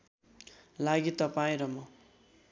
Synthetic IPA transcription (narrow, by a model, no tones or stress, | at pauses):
laɡit̪ʌpaĩɾʌmʌ